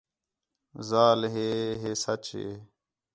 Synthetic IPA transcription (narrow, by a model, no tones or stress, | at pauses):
zaːlɦeːɦeːsət͡ʃɦḛː